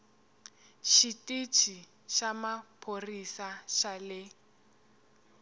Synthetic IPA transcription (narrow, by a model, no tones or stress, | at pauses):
ʃitʼit͡ʃʰi | ʃamapʰorisaʃalɪ